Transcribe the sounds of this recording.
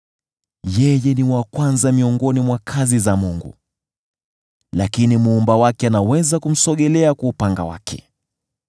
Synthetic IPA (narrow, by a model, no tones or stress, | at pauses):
jɛjɛniwakwanzamiɔŋɡɔnimwakʰazizamuŋɡṵ | lakinimuːmbawakɛanawɛzakum̩sɔɠɛlɛakwaupaŋɡa̰wa̰kʰɛ̥̰